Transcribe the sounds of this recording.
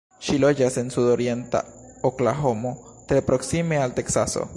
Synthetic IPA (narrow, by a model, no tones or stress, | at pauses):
ʃilo̞d͡ʒase̞nsudoɾie̞nta̰oklaɦo̞mo̞tɾe̞pɾo̞ksimealte̞ksaso̞̰